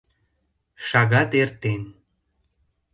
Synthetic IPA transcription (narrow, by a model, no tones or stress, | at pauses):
ʃɑɣɑt̪ert̪en